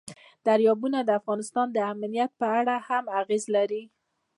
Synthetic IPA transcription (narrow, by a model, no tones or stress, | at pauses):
d̪̥aɾjɑbunad̪əafɣɑnɪst̪ɑnd̪əamnijat̪̚pəaɽahamaɣezlaɾi